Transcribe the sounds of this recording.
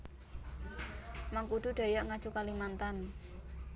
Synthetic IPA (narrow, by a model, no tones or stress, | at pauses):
maŋkuɖ̪̥ṳɖ̪̥a̤jaʔŋad̥t͡ʃukalimant̪an